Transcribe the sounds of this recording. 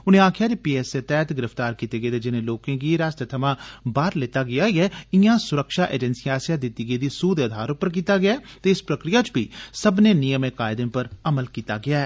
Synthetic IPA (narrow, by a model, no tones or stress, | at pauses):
ʊnẽːaːkʰjaːd̪eːpiːɛːset̪ɛːt̪ɡɪɾəft̪aːɾkiːt̪eːɡeːt̪eːd͡ʒɪnẽːloːkẽːɡiːɾaːst̪ət̪ʰəmãːbaːɾlɪt̪aːɡɪaːiɛːɪjãːsʊɾəkʃaːʔḛːd͡ʒɛnsijaːsjãːd̪ɪt̪ːiːɡeːd̪iːsuːd̪əd̪ʱaːɾopəɾk̬iːt̪aːɡɪaɛːt̪eːɪspɾəkɾɪjaːt͡ʃbḭːsəbneːnɪjəmẽːkaːɪd̪ẽːpəɾəməlkiːt̪a̰ːɡɪaːɛː